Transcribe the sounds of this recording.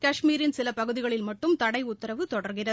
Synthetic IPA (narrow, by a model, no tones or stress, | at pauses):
kɐʂmiːɾɪnsɪlɐpɐɣɯðɪɣɐɭɪlmɐʈːɯmt̪ɐɽɐɪʊt̪ːɐɾɐʋɯt̪ɔɽɐɾɣɪrɐð